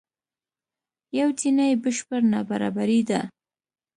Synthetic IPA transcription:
jawt̪inajbəʃpəɾnabaɾɑ̰baɾid̪a

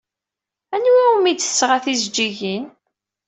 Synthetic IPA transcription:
ænwiwumid̪θə̥sːʁaθizd͡ʒːiʝin

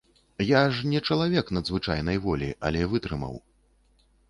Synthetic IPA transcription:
jaʐnʲɛt͡ʂɐlˠavʲɛknɐd̪zvɨt͡ʂajn̪ɐjvɔlʲiʔɐ̰lʲɛvɨt̪ɾɨmɐ̰w

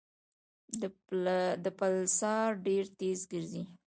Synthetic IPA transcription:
d̪əpalsɑɾɖeɾt̪ezɡəɾzi

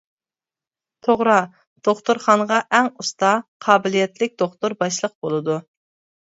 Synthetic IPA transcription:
t̪ʰoʁɾɑ | d̪̥oχt̪ʊɾχɑnʁɑʔɛŋust̪ɑqʰɑːbɪlijɛt̪lɪk̚ʲd̪oχt̪ʊɾbɑʃlˠəq̚bolˠɨd̪u

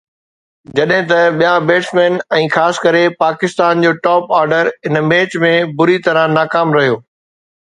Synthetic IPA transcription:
d͡ʑɐɗɦɪ̃t̪ɐɓijãbeːʈsmeːnɛ̃ːxaːsɪ̥kɐɾepaːkɪst̪aːnd͡ʑoːʈɔːpaːɾɖəɾɦɪnmeːt͡ɕmẽbʊɾit̪ɐɾə̃naːkaːmɾɐɦijoː

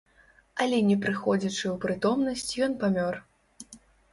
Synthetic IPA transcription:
ɐlʲɛnʲɛpɾɨxɔd͡zʲat͡ʂɨwpɾɨt̪ɔmnɐsʲt͡sʲjɔnpamʲɔr

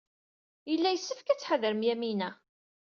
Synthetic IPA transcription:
jəlːæjəsːəfkæt͡sːħəðəɾəmjæminæ

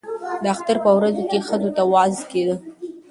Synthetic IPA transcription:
d̪əaxt̪aɾpəwɾazokexəzot̪awɑzked̪ə

